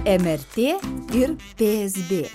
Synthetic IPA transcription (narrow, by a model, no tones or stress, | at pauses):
ɛmæɾt̪ʰeːiɾpeːɛsbeː